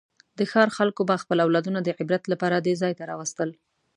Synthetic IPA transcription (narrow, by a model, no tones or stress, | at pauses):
d̪əxɑɾxalkobaxpəlawlɑd̪unad̪əʕɪbɾat̪lapɑɾad̪ezɑjt̪aɾɑwast̪əl